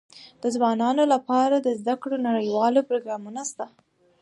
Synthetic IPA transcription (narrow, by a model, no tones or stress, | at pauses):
d̪̥əzwɑnɑnolapɑɾad̪əzd̪akɽonaɽəjwɑlopɾoɡɾɑmunast̪a